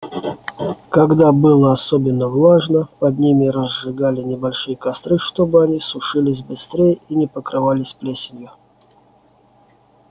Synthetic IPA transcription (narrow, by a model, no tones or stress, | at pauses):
kɐɡd̪abɨlˠəɐsobʲɪnːəvlˠaʐnəpɐd̪nʲimʲɪɾəzʐɨɡalʲɪnʲɪbɐlʲʂɨjəkɐst̪ɾɨʂt̪obɨɐnʲisʊʂɨlʲɪs̬ʲbɨst̪ɾʲejinʲɪpəkɾɨvalʲɪsʲplʲesʲɪnʲjʊ